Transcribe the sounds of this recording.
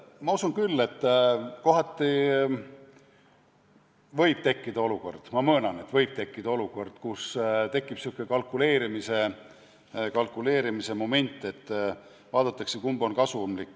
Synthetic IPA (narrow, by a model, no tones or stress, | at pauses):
mɑusunkylːe̞t̪ːko̞ɦɑt̪ːˑi | vɤ̞jb̥̚t̪e̞kːid̪ɑo̞luko̞̰rd̪̥mɑmɤːnɑne̞t̪vɤ̞jb̥̚t̪e̞kːid̪ɑoluko̞rd̪̥kust̪e̞kːˑib̥sukːˑekɑlkːˑule̞ːɾimise̞ | kɑlkːˑule̞ːɾimise̞mo̞me̞nʲt̪ːˑe̞t̪ː | vɑːd̪̥ɑt̪ːˑɑksekumbo̞nkɑsumlikːˑ